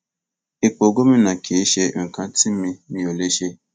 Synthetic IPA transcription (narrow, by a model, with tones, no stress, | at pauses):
e˨k͡po˨ɡo˦mi˦na˨kʰe˨˦ʃe˧˦ŋ̩˨kã˦ti˦mĩ˧mĩ˨˦o˨le˦ʃe˦